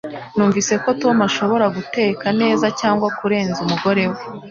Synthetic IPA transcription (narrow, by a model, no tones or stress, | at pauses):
nuːɱviːse̞ko̞to̞maʃo̞βo̞ɾaɡute̞ːkane̞ːzacaːŋɡwakuɾe̞ːnzumuɡo̞ɾe̞we